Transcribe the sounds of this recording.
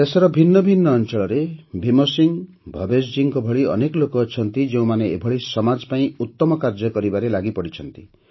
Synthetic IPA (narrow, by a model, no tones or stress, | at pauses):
esɔɾɔbʱinːɔbʱinːɔːnt͡ʃɔɭɔɾebʱimosiŋ | bʱɔbesd͡ʒiŋkɔbʱɔɭiɔ̰nekɔlokɔːt͡ʃʰɔnt̪id͡ʒeũmaneebʱɔɭisɔmad͡ʒpaĩut̪ːɔmɔkaɾd͡ʒɔkɔɾibaɾelaɡipɔɽit͡ʃʰɔnt̪i